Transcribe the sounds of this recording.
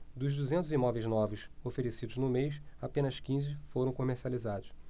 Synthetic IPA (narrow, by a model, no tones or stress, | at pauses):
d̪ʊʒd̪uzẽnt̪ʊzimɔvejznɔvesofeɾesid̪ʊznʊmejʃapẽnɐʃkĩzɪfoɾɐ̃w̃komeχsializad̪ʊʃ